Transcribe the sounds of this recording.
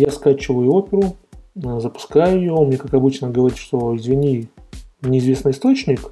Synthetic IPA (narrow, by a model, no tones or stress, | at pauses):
jaskat͡ɕɪvəjʊo̞pʲɪɾʊ | zəpʊ̥skajʊɪjomnʲe̞kakɐbɨt͡ɕnəɡəvɐɾʲit̪ʂt̪o̞ɪzvʲɪnʲi | nʲɪɪzvʲe̞snɨɪst̪o̞t͡ɕnʲɪk